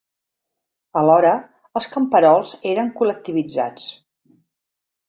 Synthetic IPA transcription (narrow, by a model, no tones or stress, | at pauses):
əlɔɾəː | lˠskəmpəɾɔlˠzeɾəŋkulək̚t̪iβid͡za̰t͡s